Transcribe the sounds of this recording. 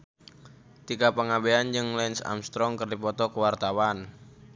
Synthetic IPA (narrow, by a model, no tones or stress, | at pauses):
t̪iɡapəŋabeand͡ʒɨŋlɛnsa̰mst̪ɾɔŋkərdipɔt̪ɔkəwart̪awan